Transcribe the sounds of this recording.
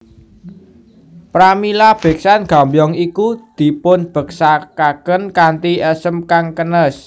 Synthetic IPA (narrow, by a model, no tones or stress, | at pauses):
pɾamilab̥e̤k̚sanɡ̥a̤mbjɔŋikud̪̥i̤pʊnb̥ə̤k̚sakakənkant̪iəsəmkaŋkənəs